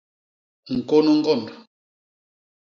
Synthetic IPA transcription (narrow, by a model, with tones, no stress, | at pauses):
ŋ̩˨ko˦nɔ˦ŋ̩˦ɡɔ˦˨ndɔ˨